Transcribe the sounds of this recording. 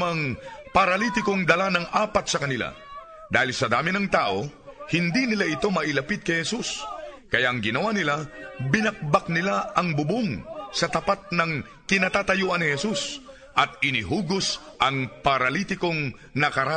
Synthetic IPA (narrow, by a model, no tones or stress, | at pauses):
mɐŋpɐɾɐlit̪ɪkoŋd̪ɐlanɐŋʔaːpɐt̪sɐkɐnɪla̰ | d̪aːhɪlsɐd̪aːmɪnɐŋt̪aːʔo̞hɪnd̪inɪlaʔɪt̪o̞mɐʔɪlɐpid̪̚kɐjhɛsuskɐjaʔɐŋɡɪnɐwanɪlabɪnɐk̚bak̚nɪlaɐŋbʊbuŋsɐt̪ɐpat̪̚nɐŋ | kɪnat̪aːt̪ɐjuʔɐnːɪhɛsus | ʔɐt̪̚ɪnɪɦuːɡos | ʔɐŋpɐɾɐlit̪ɪkoŋ | nɐkɐɾa